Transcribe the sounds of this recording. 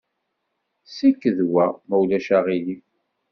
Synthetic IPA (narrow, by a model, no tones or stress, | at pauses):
sikːəðwæmæwlæʃaʁili